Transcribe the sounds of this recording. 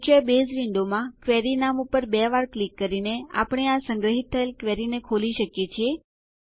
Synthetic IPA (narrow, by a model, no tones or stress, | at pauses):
kəbezʋiɳɖomãkʋɛɾinamupəɾbɛʋaɾklikːəɾinea̰pɽ̃easəŋɡɾəɦit̪ʰːəelkʋɛɾinekʰoliʃəkjet͡ʃʰie